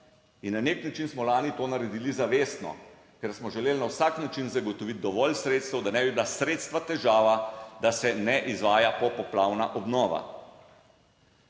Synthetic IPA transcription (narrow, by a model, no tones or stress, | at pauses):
inːaneknat͡ʃinsmɔlaːnit̪oːnaɾɛd̪iːlizaʋeːst̪nɔ̰ | kɛɾsmɔʒɛleːlnawsaknat͡ʃinzaɡɔt̪ɔʋit̪̚d̪ɔʋɔlsɾeːt̪st̪ɛwd̪anɛːbibilasɾeːt̪st̪ʋat̪ɛʒaːʋad̪asɛnɛʔizʋaːjapɔpɔplaːwnaʔɔbnɔːʋa̰